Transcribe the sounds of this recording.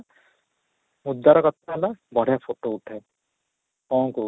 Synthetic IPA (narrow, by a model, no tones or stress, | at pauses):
mud̪ːaɾɔkɔt̪ʰaɦlabɔɽ̤japʰoʈouʈʰa | ɔ̃ŋku